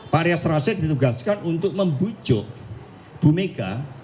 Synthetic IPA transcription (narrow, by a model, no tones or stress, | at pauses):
paɾjasɾasɪd̪it̪uɡaskanunt̪ʊk̚məmbu̥d͡ʒʊʔ | b̥umeɡ̥a